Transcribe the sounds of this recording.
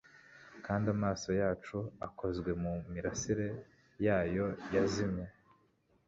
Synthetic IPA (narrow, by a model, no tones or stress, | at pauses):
kaːndamaːso̞jaːt͡ʃuakʰo̞zɡwe̞mumiɾasiɾe̞ | jaːjo̞jazimɲe